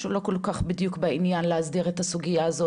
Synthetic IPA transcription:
ʃulo̞ko̞lkaχbid̪jukbainjanlehazdiʁetasuɡijaːzo

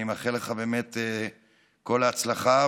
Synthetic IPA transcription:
imaχeleχabe̞ːmet̪e | ko̞laːt͡slaχa

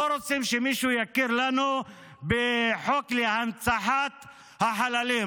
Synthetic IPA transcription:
oɾosimʃemiʃujakiɾlanu | beħoklehant͡saħat̪ | haħalalim

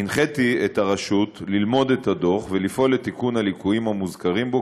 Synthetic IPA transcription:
inχetietaʁaʃutlilmo̞d̪ethado̞χvelifo̞letikunhalikuimhamuzkaʁimbo

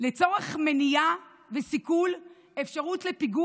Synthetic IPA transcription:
let͡so̞ʁe̞χme̞nija | vesikul | e̞fʃaʁutle̞piɡu

